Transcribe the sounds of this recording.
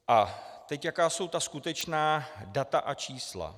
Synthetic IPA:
ʔat̪ɛcjakaːso̞wt̪askut̪ɛt͡ʃnaːdat̪aʔat͡ʃiːsla̰

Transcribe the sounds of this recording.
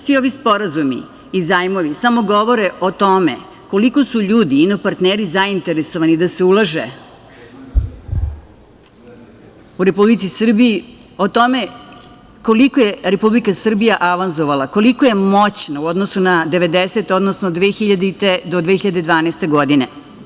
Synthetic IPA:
sʋio̞ʋispo̞ɾazumḭ | izaːjmoʋisamo̞ɡo̞ʋo̞ɾeʔo̞t̪o̞mḛ | ko̞liko̞suʎuːd̪iinopaɾt̪neːɾizaint̪eɾesoʋanid̪aseulˠaʒe | uɾe̞publit̪sisr̩biji | ot̪o̞me | ko̞likojeɾepublikasr̩bijaʔaʋanzoʋalˠako̞likoje̞mo̞t͡ɕnauo̞d̪nosunad̪e̞ʋe̞d̪eset̪o̞d̪nosnod̪ʋeːxiʎad̪it̪ed̪od̪ʋeːxiʎad̪e̞d̪ʋaːnest̪e̞ɡo̞d̪ine

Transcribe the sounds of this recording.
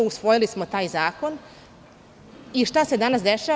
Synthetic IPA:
usʋo̞jilismo̞t̪aːjzaːko̞n | iʃt̪ase̞d̪anasd̪eʃaː

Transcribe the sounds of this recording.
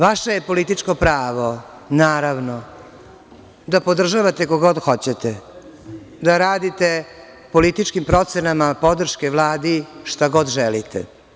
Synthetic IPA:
ʋaʃajepo̞lit̪it͡ʂkopɾaːʋo̞ | naːɾaʋno | d̪apo̞d̪r̩ʒaʋat̪ekoɡod̪xo̞t͡ɕet̪e | d̪aɾaːd̪it̪e | po̞lit̪it͡ʃkimpɾot̪senamapo̞d̪r̩ʃkeʋlˠaːd̪iʃt̪aɡo̞d̪ʒɛlit̪ḛ

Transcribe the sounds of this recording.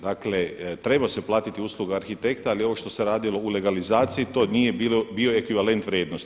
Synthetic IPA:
d̪aklet̪ɾe̞baseplˠaːt̪it̪iuːslˠuɡaaɾxit̪e̞kt̪aalio̞ʋoʃt̪o̞seɾaːd̪ilˠo̞ule̞ɡalizaːt̪sijit̪o̞nije̞bilobio̞e̞kʋiʋale̞nt̪ʋɾʲjeːd̪nost̪

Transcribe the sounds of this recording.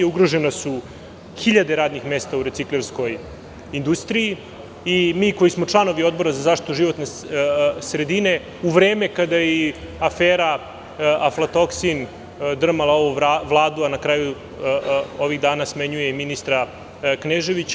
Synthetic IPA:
uɡɾoʒenasu | xiʎad̪e̞ɾaːd̪nixmeːst̪auɾet̪sikleɾsko̞j | ind̪ust̪ɾiji | imiːko̞jismo̞t͡ʂlˠano̞ʋio̞d̪̚bo̞ɾazazaʃt̪i̥t̪uʒiʋo̞t̪ne | sɾe̞d̪ine̞ | uʋɾeːme̞kad̪ajɛ | afeːɾa | aflat̪o̞ksin | d̪r̩malˠao̞ʋuʋlˠaːd̪uanakɾaːju | o̞ʋiɣd̪aːnasmeɲujeminist̪ɾa | kneʒe̞ʋit͡ɕ

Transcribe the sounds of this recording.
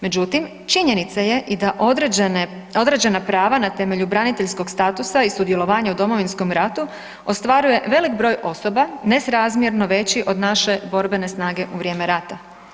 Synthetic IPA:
me̞d͡ʑut̪im | t͡ʃiɲe̞nit̪saje̞ʔid̪aʔ | o̞d̪ɾed͡ʑe̞napɾaːʋanat̪e̞me̞ʎubɾanit̪eʎsko̞ɡst̪at̪usaisud̪je̞lˠo̞ʋaːɲaud̪o̞mo̞ʋinsko̞mɾat̪u | ost̪ʋaɾuje̞ʋe̞likbɾo̞ːjʔo̞so̞bane̞sɾazmjeɾno̞ʋe̞t͡ɕiʔo̞d̪naʃe̞bo̞ɾbe̞ne̞snaːɡe̞ʔuʋɾʲje̞ːme̞ɾat̪a

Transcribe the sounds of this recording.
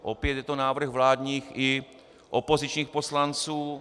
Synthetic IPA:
ʔopjɛt̪jɛt̪onaːvr̩ɣvlaːd̪ɲiːxɪ | ʔopozɪt͡ʃɲiːxposlant͡suː

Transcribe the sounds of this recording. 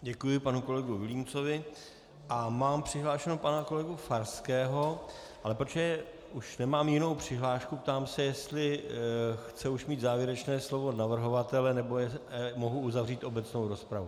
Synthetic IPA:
ɟɛkujɪpanuko̞lɛɡuvɪliːmt͡so̞vɪ | ʔamaːmpr̝̥ɪɦlaːʃɛnopanako̞lɛɡufaɾskɛːɦo̞ | ʔalɛpɾot͡ʃɛ | uʃnɛmaːmjɪno̞wpr̝̥ɪɦlaːʃkup̚t̪aːmsɛjɛst̪lɪ | xt͡sɛuʃmiːd̪zaːvjɛɾɛt͡ʃnɛːslo̞vo̞navr̩ɦo̞vat̪ɛlɛnɛbo̞jɛmo̞ɦuuzavriːt̪ʔo̞bɛt͡snowɾo̞spɾavu

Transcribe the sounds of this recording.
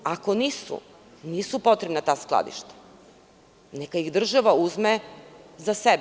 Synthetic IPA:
ako̞niːsṵ | niːsupo̞t̪ɾebnat̪aːsklˠa̰d̪ḭʃt̪ḁ | nekaiɣd̪r̩ʒaʋauzmezaseb

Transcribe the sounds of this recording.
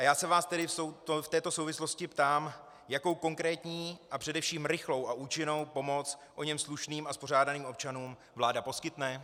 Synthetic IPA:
ʔajaːsɛvaːst̪ɛdɪfsowt̪oft̪ɛːt̪o̞so̞wvɪslo̞scɪpt̪aːm | jako̞wko̞ŋkɾɛːt̪ɲiːʔapr̥ɛdɛfʃiːmɾɪxlo̞wʔaʔuːt͡ʃɪno̞wpo̞mo̞t͡sʔo̞ɲɛmsluʃniːmaspo̞ɾ̝aːdaniːmʔop̚t͡ʃanuːm | vlaːdapo̞skɪt̪nɛ

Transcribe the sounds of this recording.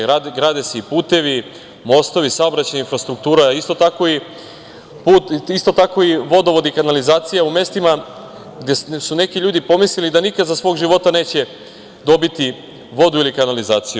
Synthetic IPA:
ɾaɡɾad̪eseipuːt̪e̞ʋi | mo̞st̪o̞ʋisaobɾat͡ɕajinfɾast̪ɾuk̚t̪uːɾaist̪ot̪ako̞i | puːt̪ist̪o̞t̪ako̞iʋo̞d̪o̞ʋo̞d̪ikanalizaːt̪sijaume̞st̪ima | ɡd̪esune̞kiʎuːd̪ipo̞mislʲilid̪anikad̪zasʋo̞ːɡʒiʋo̞t̪ane̞ːt͡ɕe̞ | d̪o̞bit̪i | ʋo̞d̪uilikanalizaːt̪siju

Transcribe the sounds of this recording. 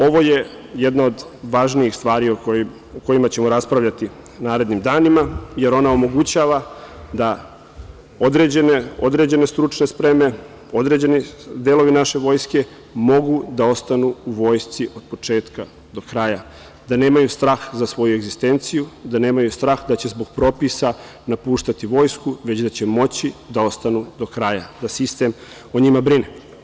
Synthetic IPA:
o̞ʋo̞je̞ | jed̪nao̞d̪ʋaːʒniixst̪ʋaːɾio | oko̞imat͡ɕe̞mo̞ɾaspɾaʋʎat̪i | naːɾe̞d̪nimd̪aːnimaje̞ɾo̞nao̞mo̞ɡut͡ɕaːʋad̪a | od̪ɾed͡ʑeneo̞d̪ɾe̞d͡ʑe̞nest̪ɾut͡ʂne̞spɾe̞me̞ | o̞d̪ɾe̞d͡ʑe̞nid̪elo̞ʋinaʃe̞ʋo̞ːjske̞ | mo̞ɡud̪ao̞st̪anuuʋo̞ːjst̪siʔo̞d̪̚po̞t͡ʂe̞ːt̪ka | d̪o̞kɾaja | d̪ane̞ːmajust̪ɾaːxzasʋo̞jue̞ɡzist̪e̞nt̪sijud̪ane̞ːmajust̪ɾaːxd̪at͡ɕe̞zbo̞ɡ̥pɾo̞ːpisa | napuːʃt̪at̪iʋo̞ːjskuʋe̞t͡ɕd̪at͡ɕe̞mo̞t͡ɕid̪ao̞st̪anud̪o̞kɾajad̪asist̪e̞m | o̞ɲimabɾine

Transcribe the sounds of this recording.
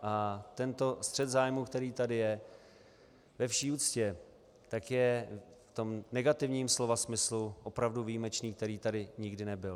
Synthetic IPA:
ʔat̪ɛnt̪o̞st̪r̥ɛt̪zaːjmukt̪ɛɾiːt̪adɪjɛ | vɛfʃiːuːt͡scɛ | t̪akjɛ | ft̪o̞mnɛɡat̪ɪvɲiːmslo̞vasmɪsluʔo̞pɾavduvijimɛt͡ʃniːk̚t̪ɛɾiːt̪adɪɲɪɡdɪnɛbɪl

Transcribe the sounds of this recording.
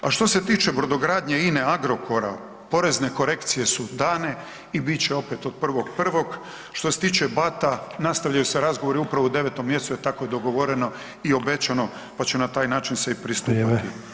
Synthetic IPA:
aʃt̪o̞se̞t̪iːt͡ʃebɾod̪o̞ɡɾaːd̪ɲeineaɡɾo̞ko̞ɾa | po̞ɾe̞zneko̞ɾe̞kt̪sije̞sud̪aːne̞ | ibit͡ɕeo̞pet̪od̪̥̚pr̩ʋo̞ɡpr̩ʋo̞ɡ | ʃt̪o̞set̪iːt͡ʃebat̪anast̪aʋʎajuseɾazɡoʋo̞ɾiupɾaʋoud̪e̞ʋet̪o̞mːjest̪uet̪ako̞jed̪o̞ɡo̞ʋo̞ɾeno̞ | io̞be̞t͡ʃano̞ | pat͡ɕenat̪aːjnaːt͡ʃinsepɾist̪uit̪i

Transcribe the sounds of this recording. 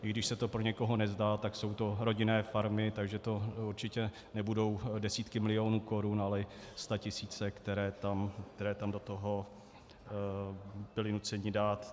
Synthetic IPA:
ɪɡdɪʃsɛt̪o̞pɾoɲɛko̞ɦo̞nɛzdaːt̪akso̞wt̪oɾo̞ɟɪnɛːfaɾmɪt̪aɡʒɛt̪o̞uɾt͡ʃɪcɛ | nɛbudo̞wdɛsiːt̪kɪmɪlɪo̞ːnuːko̞ɾunalɛst̪acɪsiːt͡sɛkt̪ɛɾɛːt̪amkt̪ɛɾɛːt̪amdo̞t̪oɦo̞ | b̥ɪlɪnut͡sɛɲɪdaːt̪

